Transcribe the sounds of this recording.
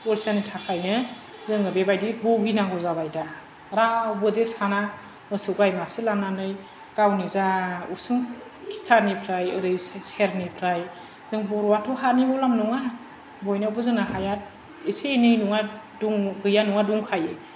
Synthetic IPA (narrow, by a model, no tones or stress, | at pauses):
poɾisanitʰakʰajnɯ | zɯŋɯbebajdibɔɡinaŋɡɔzabajda | ɾabɯdesana | mɯsɯɡajmaselananɯj | ɡ̥awnizausɯŋ | kʰi̥tʰanipʰɾajɯɾɯjsseɾnipʰɾaj | z̥ɯŋbɔɾɔwatʰɔɦanibɔlamnɔŋa | bɔjnawbɯzɯŋnaɦajat̚ | isenɯjnuŋa | duŋɡɯjanuŋaduŋkʰaje